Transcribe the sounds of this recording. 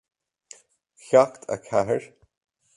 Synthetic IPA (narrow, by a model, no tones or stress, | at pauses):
çakt̪ʰa̰kʰaɦəɹ